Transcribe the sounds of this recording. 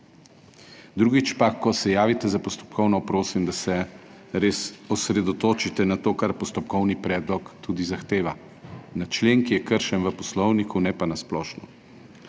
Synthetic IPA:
d̪ɾuːɡit͡ʃpakɔsɛjaːʋit̪ɛzapɔst̪ɔ̥p̚kʰɔwnɔpɾoːsimd̪asɛɾeːsɔsɾɛd̪ɔt̪oːt͡ʃit̪ɛnat̪oːkaɾpɔst̪ɔp̚kɔwnipɾɛːd̪lɔkt̪uːd̪izaxt̪eːʋa | nat͡ʃleːŋkijɛkəɾʃɛnʋəpɔslɔwnikʰunɛpanasplɔːʃnɔ

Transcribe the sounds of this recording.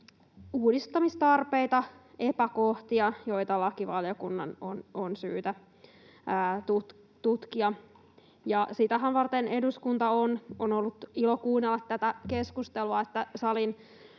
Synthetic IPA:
uːdist̪ɑmist̪ɑrpeit̪ɑe̞pækoht̪iɑjo̞jt̪ɑlɑkiʋɑljokunːɑno̰nonsyːt̪æː | t̪ut̪ | t̪ut̪kiɑ | jɑsit̪æɦænʋɑrt̪ene̞duskunt̪ɑononolːut̪ilokuːnːelːɑt̪t̪ːæt̪ækeskust̪eluɑet̪ːæsɑlin

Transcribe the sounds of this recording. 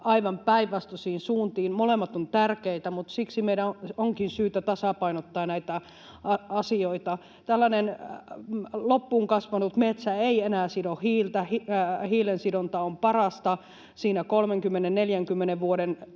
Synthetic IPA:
ɑiʋɑmpæiʋːˑɑst̪osiːinsuːnt̪iːnmolemːɑt̪ont̪ærkeit̪æmut̪siksimeidæoŋkinsyːt̪æt̪ɑsɑpɑinot̪ːɑːnæit̪æ | ɑɑsioit̪ɑ | t̪ælːænen | lopːuːŋkɑsʋɑnut̪met̪sæeienæːsidohiːlt̪æhihiːlensidont̪ɑompɑrɑst̪ɑ | siːnækolmeŋkymːenenneljæŋkymːeneʋʋuoɾen

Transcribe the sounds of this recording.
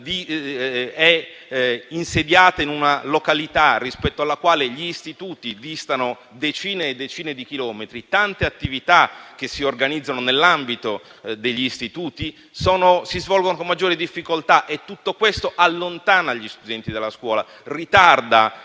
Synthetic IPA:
d̪i | ɛ | insed̪jaːt̪ainunalokalit̪arːispɛt̪ːoalːakwaːleʎiːst̪it̪uːt̪id̪ist̪ano | d̪et͡ʃiːned̪ːet͡ʃiːned̪ik̟ilɔːmet̪ɾit̪ant̪eat̪ːivit̪ak̟ːesiorɡanid̪zːanonelːambit̪od̪eʎːiːst̪it̪uːt̪i | soːnosizvɔlɡonokomːad͡ʒːoːɾed̪ifːikolt̪aʔet̪ːut̪ːokwest̪oʔalːont̪aːnaʎːist̪ud̪ɛnt̪id̪elːaskwɔːla̰ | rit̪ard̪a

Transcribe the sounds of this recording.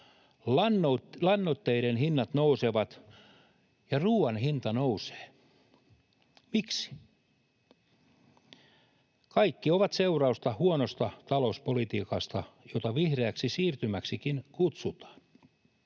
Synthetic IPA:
lɑnːolɑnːot̪ːeiɾenhinːɑt̪nouseʋɑt̪ | jɑruːɑnhint̪ɑnouse̥ː | miksi̥ | kɑikːioʋɑt̪seurɑust̪ɑhuonost̪ɑt̪ɑlouspolit̪iːkɑst̪ɑjot̪ɑʋihreæksisiːrt̪ymæksikinkut̪sut̪ɑ̥ːn

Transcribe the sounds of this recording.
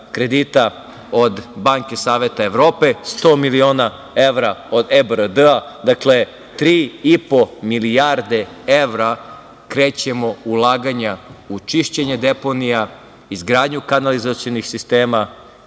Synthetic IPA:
kɾe̞d̪iːt̪a | o̞d̪baŋke̞saːʋe̞t̪aeʋɾoːpe̞st̪o̞ːmilio̞ːna | eʋɾaod̪ebəɾəd̪əad̪akle̞ | t̪ɾiːipo̞milijaɾd̪e̞eʋɾa | kɾeːt͡ɕe̞mo̞ulˠaːɡaɲaut͡ʃiʃt͡ɕeɲed̪e̞po̞nija | izɡɾaːd̪ɲukanalizat̪sionixsist̪e̞ːma

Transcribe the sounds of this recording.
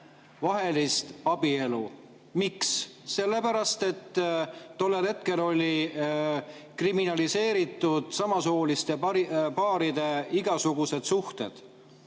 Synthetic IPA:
vɑɦe̞list̪ɑb̥ie̞lu | miksːe̞lːe̞pæɾɑst̪e̞t̪ː | o̞lːe̞lhe̞t̪̚ke̞lo̞lʲi | kriminɑlise̞ːɾit̪ːˑud̪̥sɑmɑsoulist̪eipɑːɾid̪̥e̞iɡ̥ɑsuɡ̥use̞d̪̥suht̪e̞̰d̪̥

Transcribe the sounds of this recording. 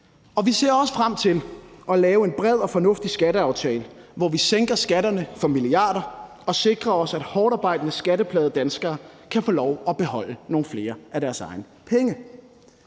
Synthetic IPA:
ɒ̽ʋise̝̰ɐɒ̽sə̥fʁam̰t͡sʰe̝lʔɒ̽lɛːʊe̝nb̥ʁɛð̞̰ˠɒ̽fɒ̽nɔ̽fd̥isɡ̥æɾəɑ̈ʊt͡sʰɛːləʋɒʋiseŋ̰ɡ̥ɐsɡ̥æɾɐnəfɒ̽miliɑ̈ːdɐ | ɒ̽se̝ɡ̥ʁɐɒ̽sæd̥hɒːɾ̥ɑ̈ːb̥ɑ̈ɪ̰d̥ənəsɡ̥æɾəpʰlɛːðˠd̥ænsɡ̥ɐːkʰæfo̝ːlɒʊɒ̽b̥e̝hɒ̽l̰əno̝ːn̩fle̝ːɐæɾæɐsɑ̈ɪnəpʰeŋə

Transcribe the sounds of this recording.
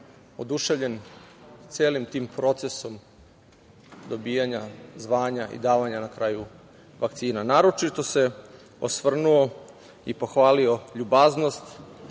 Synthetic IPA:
od̪uʃe̞ʋʎe̞nt̪seːlimt̪iːmpɾo̞t̪seso̞m | d̪o̞bijaɲazʋaːɲaʔḭd̪aːʋaɲanakɾaːju | ʋakt̪siːnanaːɾo̞t͡ʃit̪o̞se̞ | osʋr̩nuo̞ | ipo̞xʋaːlio̞ʎubaznost̪

